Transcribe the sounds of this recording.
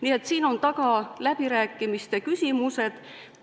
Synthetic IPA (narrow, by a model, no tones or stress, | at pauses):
niːe̞t̪siːno̞nt̪ɑɡ̥ɑlæb̥iɾæːkːˑimist̪e̞kysʲimuse̞d̪̥